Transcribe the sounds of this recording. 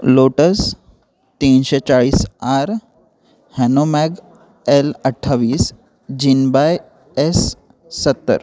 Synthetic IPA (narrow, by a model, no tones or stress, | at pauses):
loʈəs | t̪inɕet͡ɕaɭiːsaɾ | hɛnomɛɡ | eləʈʰːaʋiːs | d͡ʑinbaj | esː | ət̪ːə̰ɾ